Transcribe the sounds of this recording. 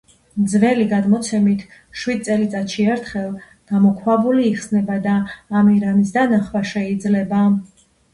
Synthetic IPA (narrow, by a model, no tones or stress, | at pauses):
md̪zvɛliɡad̪mɔt̪sʰɛmit̪ʰ | ʃwid̪̚t̪sʼɛlit̪sʼat̪ʃiɛɾt̪ʰχɛlˠ | ɡ̥amɔkʰwabuliːχsnɛbad̪aːmiɾamisd̪anaχwaʃɛid̪zlɛba